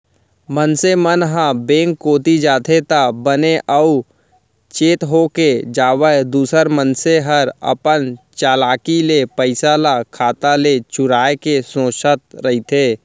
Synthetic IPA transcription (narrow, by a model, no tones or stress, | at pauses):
mənsemənɦãbẽːŋkːoːt̪id͡ʒaːt̪ʰet̪abəneʔəu | t͡ʃeːt̪ɦoked͡ʒaːwəd̪uːsəɾmənseɦəɾə̰pənt͡ʃaːlaːkilepəɪsalakʰaːt̪alet͡ʃʊɾaːekesõːʃət̪̚ɾəɦit̪ʰeː